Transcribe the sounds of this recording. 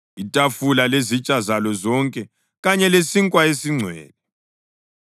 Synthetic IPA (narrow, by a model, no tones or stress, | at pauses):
itʼafulalezit͡ʃʼazalɔzɔŋkʼɛ | ɣaɲɛlesiŋkʼwaesiŋ͡ǀʱwɛ̰ːlɛ